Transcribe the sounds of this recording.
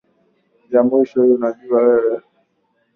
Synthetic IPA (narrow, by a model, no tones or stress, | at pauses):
jamwiʃɔhiunaʄuawɛwɛ